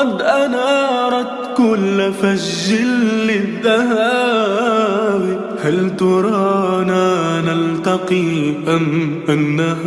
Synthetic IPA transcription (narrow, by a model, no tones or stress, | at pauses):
ɑd̪ʔanaːɾˤɑt̪kʊlːfad͡ʒːɪlːɪðːaha | b | halt̪ɑɾˤɑːnaːnalt̪ɑqiːʔamʔanːah